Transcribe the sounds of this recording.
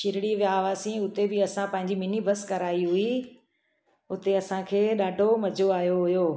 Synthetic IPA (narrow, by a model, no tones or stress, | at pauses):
ʃɪɾɪɽiʋjaːʋaːsĩʊt̪ebɪɐsãpɐ̃ɦɪ̃ɲd͡ʑimɪnibʱɐskɐɾaːiɦʊi | ʊt̪eɐsãkʰeːɗaːɖʱomɐd͡ʑʱoaːjoɦʊjoː